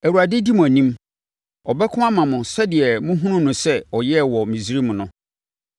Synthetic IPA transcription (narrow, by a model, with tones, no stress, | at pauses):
æ˨wu˨a˨dɪ˦di˦mʊ̃˨æ˨nĩ˦m | ɔ˨bɛ˦kʰʊ˦a˦mã˨mʊ̃˨sɛ˦dɪ˨ɛ˨mʊ̃˦ɦũ˦nʊ̃˦nʊ̃˨sɛ˦ɔ˨jɛ˦˨wɔ˨mĩ˨si˦ɾi˦mʊ̃˨nʊ̃˦